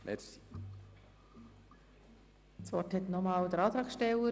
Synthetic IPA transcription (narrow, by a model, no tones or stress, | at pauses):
mɛ | sʋɔɾthɛt̪nɔmɑːwd̪əɾɑːt̪ɾɑːksʃtɛlə